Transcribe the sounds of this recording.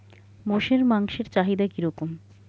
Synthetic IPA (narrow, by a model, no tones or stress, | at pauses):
moʃeɾmaŋʃeɾt͡ɕaɦid̪akiɾɔkom